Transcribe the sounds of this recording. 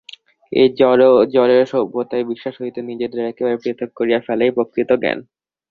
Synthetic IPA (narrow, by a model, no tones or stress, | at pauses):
ḛɔɾod͡ʑɔɾeɾʃɔbot̪aejbiʃːaʃɦoɦit̪enid͡ʑed̪eɾɛkebaɾepɾet̪ʰːok̚koɾijafɛlejpɾokɾit̪oɡɛ̰n